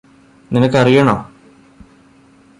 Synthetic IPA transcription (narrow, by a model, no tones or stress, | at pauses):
ninɐkːɐrijɐɳo̰ː